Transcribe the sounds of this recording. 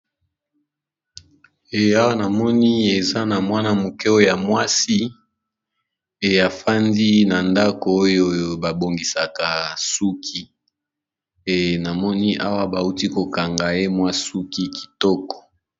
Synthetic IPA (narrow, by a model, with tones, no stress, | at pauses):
e˨a˦wa˦na˨mɔ˦ni˦e˨za˦na˨mwa˦na˦mo˨kɛ˦o˦o˦˨ja˨mwa˦si˦ | e˨a˨fa˦ndi˦na˨nda˦ko˨o˦jo˦jo˦ba˨bo˨ŋɡi˨sa˨ka˨su˦kʰi˦ | e˨na˨mɔ˦ni˦ʔa˦wa˦ba˨u˦ti˦ko˨ka˨ŋɡa˨e˦mwa˦su˦ki˦ki̥˨tɔ˦kɔ̥˨